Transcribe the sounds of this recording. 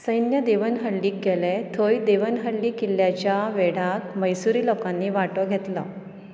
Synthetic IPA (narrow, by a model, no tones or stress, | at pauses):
səjnjəd̪eʋənɦəɽliːk̚ɡʱelɛt̪ʰojd̪eʋənɦəɽliːkilːjat͡ɕjaʋeɽ̤ak̪məjsuɾiːlokãnːiːʋaʈəɡʱet̪la̰